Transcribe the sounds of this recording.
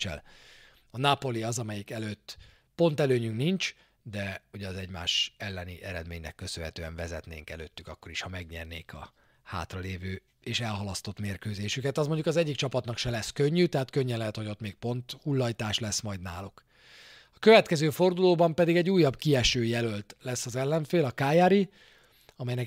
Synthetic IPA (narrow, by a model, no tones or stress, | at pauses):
t͡ʃɛ̰l | ɒnapo̞liɒzɒmɛjikɛløːt̪ː | po̞nt̪ɛløːɲyŋknint͡ʃ | d̪ɛuɟɛɒzɛɟma̰ːʃɛlːɛniʔɛɾɛd̪meːɲnɛ̰kːø̞sønɦɛt̪øːɛ̰ɱvɛzɛ̰t̪nḛːŋkɛlø̰ːt̪ːykɒkːo̞ɾiʃhɒmɛɡɲɛ̰rnḛːkʰɒ̰ | ha̰ːt̪rɒleːvøː | eːʃɛlɦɒlɒst̪o̞t̪meːrkøːzeːʃykɛt̪ɒzmo̞ɲɟukɒzɛɟːik̚t͡ʃɒpɒt̪nɒkʃɛlɛskøɲːyt̪ɛɦaːt̪køɲːɛnlɛɦɛt̪ho̞ɟo̞t̪meːk̚po̞nt̪hulːɒjt̪aːʃlɛsmɒjd̪naːluk | ɒkø̞vɛt̪kɛzøːfo̞rd̪uloːbɒmpɛd̪iɡɛɟːuːjːɒbkiɛʃøːjɛlø̞lt̪lɛsːɒzɛlːɛɱfeːlɒkaːjaːɾi | ɒmɛjnɛ